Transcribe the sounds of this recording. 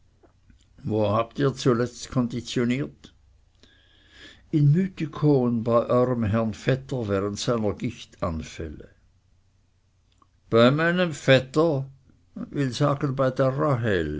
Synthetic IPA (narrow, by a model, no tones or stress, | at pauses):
voːhaːptiːɐt͡sulɛt͡stkʰɔndit͡sjoniːɐt | ɪnmyːtikʰoːənbaɪʔɔʏʁəmɦɛʁnfɛtəvɛːʁəntsaɪnɐɡ̥ɪçtanfɛ̰lə | b̥aɪmaɪnəmfɛtə | vɪlzaːɡənbaɪdeːɐʁaɦɛl